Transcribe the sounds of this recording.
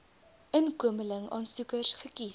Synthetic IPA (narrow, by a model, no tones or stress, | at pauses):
ənkuəmələŋɑ̰ːnsukərsχəki